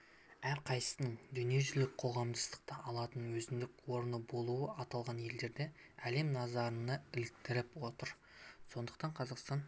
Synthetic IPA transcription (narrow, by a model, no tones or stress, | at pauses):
æɾqʰɑjsəsənəɴd̪ʏnije̞ʒʏlɪk̚qʰo̞ʁɑmd̪əst̪ə̥q̚t̪əʔɑlˠɑt̪ənwɵzɪnd̪ɪkwo̞ɾnəbo̞lˠuəɑt̪ɑlˠʁɑnje̞ld̪e̞ɾd̪e̞ | æle̞mnɑzɑɾənəɪlɪk̚t̪ɪɾɪpwo̞t̪əɾ | so̞nd̪əq̚t̪ɑɴqʰɑzɑqst̪ɑn